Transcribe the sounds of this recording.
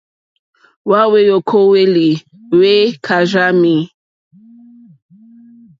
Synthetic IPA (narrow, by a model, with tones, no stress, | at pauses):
wa˦we˦jo˨kʰo˦we˦li˨ | we˦kʰa˨ʒa˦mi˦˨